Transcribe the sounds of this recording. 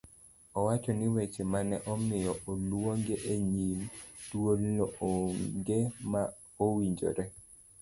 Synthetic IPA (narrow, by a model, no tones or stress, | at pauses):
ɔwat͡ʃɔnɪwet͡ʃemanɛʔɔmɪjɔʔolwoŋɡeʔeɲimdwolnooŋɡema | owiɲd͡ʒo̰ɾe